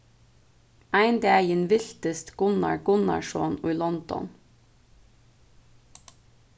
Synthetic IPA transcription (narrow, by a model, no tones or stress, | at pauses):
æɪnd̪eːæənʋɪlt̪əst̪ɡ̥ʊnɑ̰ɹɡʊnɑ̰ʃoːnʊʏlɔnd̪̥ɔ̰n